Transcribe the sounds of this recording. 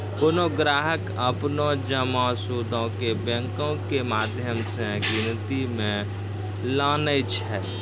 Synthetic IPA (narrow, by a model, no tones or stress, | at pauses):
kʊnoːɡɾaːɦək | əpnõd͡ʒəmãːsuːd̪õkebɛ̃ŋkõkemaːd̪ʱjəmsẽɡɪnt̪imẽ | laːnəjt͡ʃʰɛː